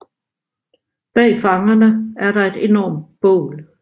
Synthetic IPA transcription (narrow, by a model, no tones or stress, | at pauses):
b̥ɛ̰ːfɑ̈ŋɐnəæɐɾɑ̈e̝d̥e̝nɒ̰ːmb̥ɔ̰ːl